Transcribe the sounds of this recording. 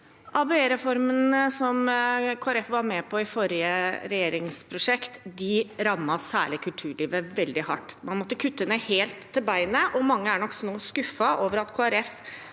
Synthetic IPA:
ʔɑbeːɾɛfɔɾmənəsɔmkʰoːæɾɛfʋɑɾmɛpʰɔɪfɔɾɪəɾɛjeːɾɪŋspʰɾʊʂɛkt̪d̪ɪɾɑmːɑsæ̰ːɭɪkʰʉlt̪ʰʉːɭiːʋəʋɛld̪ɪhɑ̰ʈːmɑnmɔt̪ːəkʰʉt̪ːənɛheːlt̪ʰːɪlbæɪnəʔɔmɑŋːəæɳɔkːsɔnoːskʉfɑʔoːʋəɾɑt̪kʰoːæɾɛf

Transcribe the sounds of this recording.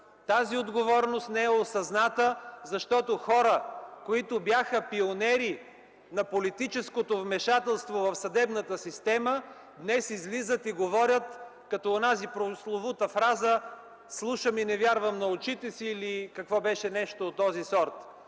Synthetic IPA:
t̪aziod̪ɡovɔɾnost̪nɛɛosɐznat̪əzɐʃt̪ɔt̪oxɔɾəkoit̪objaxəpionɛɾi | nɐpolit̪it͡ʃɛskot̪ovmɛʃat̪ɛlˠst̪vovɐfsɐd̪ɛbnət̪əsist̪ɛmə | d̪nɛsizlizət̪iɡovɔɾʲət̪kɐt̪ɔonazipɾoslˠovut̪əfɾazə | slˠuʃəminɛvʲjaɾvəmnɐʊt͡ʃit̪ɛsiːlikɐkvɔbɛʃɛnɛʃt̪oːt̪ːɔzisɔɾt̪

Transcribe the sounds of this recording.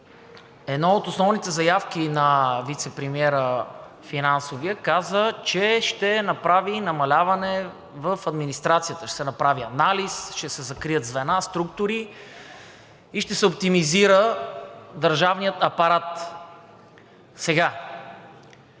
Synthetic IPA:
ɛd̪nɔot̪osnɔvnit̪ɛzɐjafkinɐvit̪sɛpɾimiɛɾə | finansoviəkazət͡ʃɛʃt̪ɛnɐpɾavinɐmɐlʲavɐnɛ | vəfɐd̪minist̪ɾat̪sijət̪əʃt̪ɛsɛnɐpɾaviɐnalisʃt̪ɛsɛzɐkɾijəd̪zvɛnast̪ɾukt̪ʊɾi | iʃt̪ɛsɛop̚t̪imiziɾə | d̪əɾʒavnijət̪ɐpɐɾat̪ | sɛɡa

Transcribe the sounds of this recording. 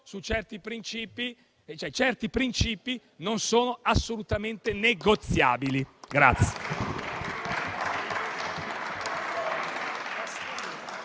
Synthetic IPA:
sut͡ʃɛrt̪ipɾint͡ʃiːpi | t͡ʃoɛt͡ʃɛrt̪ipɾint͡ʃiːpi | nonsoːnoasːolut̪ament̪eneɡot̪sːjaːbiliɡɾa̰t̪sːje̥

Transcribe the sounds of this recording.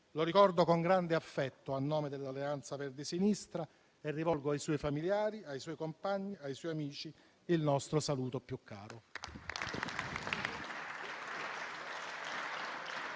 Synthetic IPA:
loɾikɔrd̪okoŋɡɾand̪eafːɛt̪ːoanːoːmed̪elːalːeant̪saverd̪isinist̪ɾa | erːivɔlɡoajsɔjfamiljaːɾiajsɔːjkompaɲːiajswɔjamiːt͡ʃi | ilnɔst̪ɾosaluːt̪opjukʰːa̰ːɾo

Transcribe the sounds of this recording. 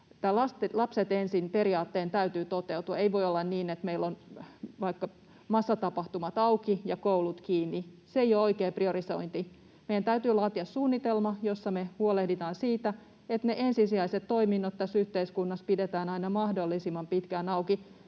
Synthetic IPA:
t̪ːælɑst̪lɑpset̪ensinpe̞ɾiɑːt̪ːeːnt̪æyt̪yːt̪ot̪ewt̪uɑeiʋo̞jolːɑnniːnet̪meilːonʋɑikːɑ | mɑsːɑt̪ɑpɑht̪umɑt̪ɑwkijɑkowlut̪kiːnːi | sejooikeːprioɾiso̰int̪i | meijænt̪æyt̪yːlɑːt̪iɑssuːnːit̪elmɑjosːɑmehuolehdit̪ɑːnsiːt̪æ | et̪neʔensisiɑiset̪t̪oiminːot̪t̪ːæsyht̪eiskunːɑspidet̪æːnɑinɑmɑhdolːisimɑmpit̪kænɑuki

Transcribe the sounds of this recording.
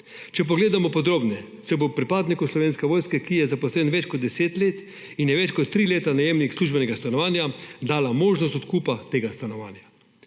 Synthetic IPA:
t͡ʃɛp̬ɔɡleːd̪amɔpɔd̪ɾoːbnɛ | sɛbopɾipaːd̪nikuslɔʋeːnskɛʋoːjskɛkijɛzapɔslɛːnʋɛt͡ʃkɔd̪̚d̪ɛseːt̪leːt̪ | injɛʋɛt͡ʃkɔt̪ːɾileːt̪anajeːmnixsluːʒbɛnɛɡast̪anɔʋaːnjad̪aːlamoːʒnɔst̪ɔt̪kuːpat̪eːɡast̪anɔʋa̰ːnja

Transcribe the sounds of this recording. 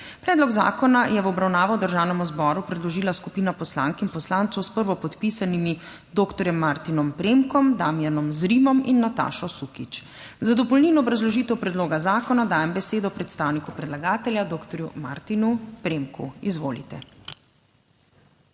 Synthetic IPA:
pɾɛːd̪lɔɡza̰ːkɔnajɛʋɔbɾawnaːʋɔd̪əɾʒaːwnɛmuzbɔɾupɾɛd̪lɔʒiːlaskupiːnapɔsla̰ŋkinpɔslant̪sɔwspəɾʋɔpɔt̪pisanimi | d̪oːkt̪ɔɾjɛmːaɾt̪inɔmpɾemkɔmd̪aːmijanɔmzɾimɔminːat̪a̰ːʃɔsukit͡ʃ | zad̪ɔpɔlniːnɔːbɾazlɔʒiːt̪ɛwpɾɛd̪loːɡazaːkɔnad̪aːjɛmbɛseːd̪ɔpɾɛt̪st̪aːwnikupɾɛd̪laɡaːt̪ɛljad̪oːkt̪ɔɾjuma̰ɾt̪inupɾemkṵizʋo̰ːlḭt̪ɛ

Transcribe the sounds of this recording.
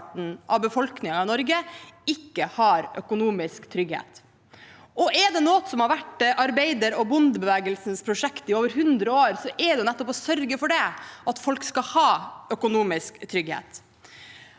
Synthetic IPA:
ʈn̩ʔɑʋbəfɔlknɪŋɑɪnɔɾɡəɪkːəhɑɾœkʊnuːmɪskt̪ʰɾʏɡhḛːt̪ | ʔɔʔɛɖɛnoːt̪sɔmhɑɾʋæʈʔɑɾbeɪd̪əɾɔbʊnd̪bəʋæːɡəlsn̩spʰɾʊʂɛkt̪ɪoːʋəɾɦʉnd̪ɾəoːɾsɔʔɛɖɛnɛt̪ːɔpɔsœɾɡəfɔɖɛɑt̪fɔlkskɑhɑːœkʊnuːmɪskt̪ʰɾʏɡhḛːt̪

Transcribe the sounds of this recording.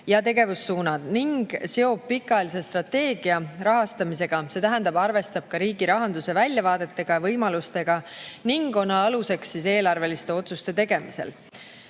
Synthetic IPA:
jɑt̪e̞ɡe̞vusːuːnɑd̪̥niŋɡ̥se̞o̞b̥̚pikːˑɑelis̬e̞st̪rɑt̪ːe̞ːɡ̥iɑɾɑɦɑst̪ɑmise̞ɡ̥ɑse̞t̪æɦænd̪ɑbɑrve̞st̪ɑb̥̚kɑɾiːɡiɾɑɦɑnd̪use̞vælʲjɑvɑːd̪̥e̞t̪ːe̞ɡ̥ɑjɑvɤjmɑlust̪e̞ɡ̥ɑniŋɡo̞nɑɑluse̞ksːise̞ːlɑrve̞list̪e̞o̞t̪sust̪e̞t̪e̞ɡe̞mise̞̰l

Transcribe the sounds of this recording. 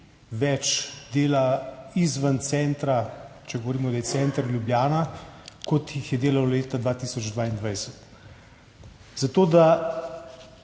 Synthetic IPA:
ʋɛt͡ʃd̪eːlaizʋant̪sɛnt̪ɾat͡ʃɛɡɔʋoɾiːmɔd̪ajɛsɛːnt̪ɾljubljaːnakɔt̪jixjɛd̪eːlawleːt̪ad̪ʋaːt̪iːsɔd͡ʒd̪ʋaːind̪ʋajsə̥t̪ | zat̪oːd̪a

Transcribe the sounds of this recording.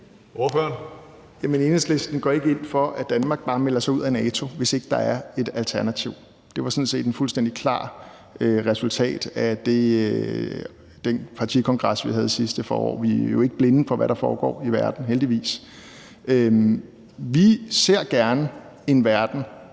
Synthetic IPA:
ʔoføɐn | jæmene̝ːnəsle̝sd̥n̩ɡ̥ɒ̰ːe̝ɡ̥əe̝n̰fɒ̽ʔæd̥ænmɑ̈ːɡ̥̚b̥ɑ̈ːmelɐsɑɪuð̰ˠænɛːt͡sʰo̝ʋe̝se̝ɡ̥əd̥ɑ̈æɐe̝d̥ælt͡sʰæɐnæt͡sʰiʊ̰ | d̥e̝ʋɑ̈sɔ̽nse̝̰ːd̥enfulsd̥en̰d̥ikʰlɑ̰̈ː | øʁɛsult͡sʰɛ̰ːd̥æd̥e̝ | d̥enpʰɑ̈t͡sʰikʰɒ̽ŋɡ̥ʁɑ̈sʋiɦæð̞ˠisisd̥əfɒ̰ːɒ̰ːʋijo̝e̝ɡ̥əb̥le̝nəfɒ̽ʋæɾ̥ɑ̈fɒːɡ̥ɒ̰ːiʋæɐd̥n̩ɦeld̥iʋḭːs | ø | ʋise̝ɐ̰ɡ̥æɐnə | e̝nʋæɐd̥n̩

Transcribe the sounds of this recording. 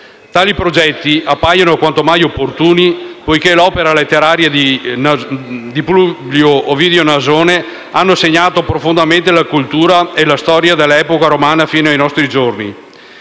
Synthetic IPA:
t̪aːlipɾod͡ʒɛt̪ːiʔapːajanoakwant̪omajopːort̪uːnipojkelɔːpeɾalet̪ːeɾaːɾjad̪i | d̪iplubljoovid̪eonazoːne | anːoseɲːaːt̪opɾofond̪ament̪elakult̪uːɾaelast̪ɔːɾjad̪elːɛːpokaɾomaːnafiːnoajnɔst̪ɾid͡ʒornḭ

